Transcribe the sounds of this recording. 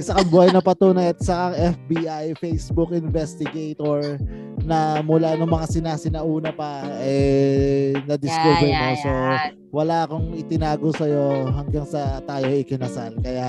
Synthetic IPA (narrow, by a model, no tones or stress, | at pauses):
sɐkɐbʊhajnɐpɐt̪uːnɐjt̪̚sɐkaŋɛfbiːʔajfejsbʊk̚ɪnvɛst̪ɪɡɛjt̪oɹ | nɐmʊlanʊŋmɐŋasɪnaːsɪnɐʔuːnɐpɐɛ | nɐd̪ɪskubɛɾmoso | wɐlaʔɐkoŋɪt̪ɪnaːɡosɐjo̞ɦɐŋɡaŋsɐt̪aːjo̞ʔɪkɪnɐsalkɐja